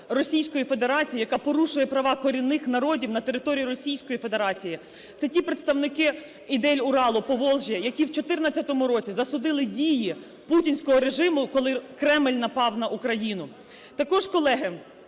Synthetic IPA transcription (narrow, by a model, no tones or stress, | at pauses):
rɔsʲijsʲkɔjife̞d̪eɾɑt͡sʲijijɐkɑpɔɾuʃʊjɛpɾɐʋɑkɔɾʲinɪxnɐɾɔdʲiwnɐt̪eɾɪt̪ɔɾʲijiɾɔsʲijsʲkɔjife̞d̪e̞ɾɑt͡sʲiji | t̪sɛtʲipɾet̪st̪ɐwnɪkɪ | id̪ɛlʲʊɾɑlˠʊpɔʋɔlˠʒʲijɐjɐkʲiwt͡ʃɔt̪ɪrnɐt͡sʲːɐt̪ɔmʊɾɔt͡sʲizɐsʊd̪ɪlˠɪdʲiji | putʲinʲsʲkɔɦɔɾe̞ʒɪmʊkɔlˠɪkɾɛmɪlʲnɐpɑwnɐʔukɾɐjinʊ | t̪ɐkɔʒkɔlˠɛɦɪ